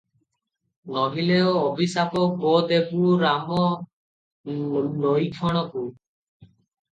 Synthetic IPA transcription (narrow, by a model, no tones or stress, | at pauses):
nɔɦileoːbisapɔkbod̪ebuuɾamɔ | nɔjkʰɔɽ̃ɔku